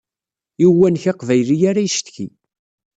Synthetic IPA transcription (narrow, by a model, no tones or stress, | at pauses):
iwːænçɑqvæjlijaɾæjʃt̪çi